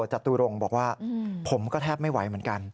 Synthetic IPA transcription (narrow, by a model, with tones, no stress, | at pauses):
t͡ɕa˨˩t̪uː˧ɾo˧˩ŋbɔː˨˩k̚waː˥˩pʰo˩˦mkɔː˥˩t̪ʰɛː˥˩p̚ma˥˩jwa˩˦jmɯ˩˦ənka˧n